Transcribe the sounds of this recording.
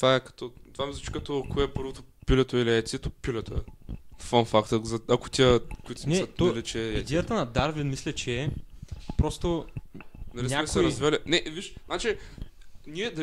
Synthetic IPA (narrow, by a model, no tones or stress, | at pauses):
t̪vaɛkɐ̥t̪ɔt̪ovamizˠut͡ʃi̥kɐt̪ɔɐkoɛpɤɾvot̪opilɛt̪oiliɛt̪ʲiɛt̪opilʲɛt̪oɛfanfakt̪əzɐɐko̥t̪ʲiəkoit̪o̥sniɛɐt̪ɔɐlit͡ʃɛɛid̪ʲɛjɐt̪ənɐd̪aɾvinmislʲɛt͡ʃɛ | pɾost̪o | nɐlinʲɲʲamɛksɛɾɐzvialinɛviʃnat͡ʃi | niɛd̪ɐ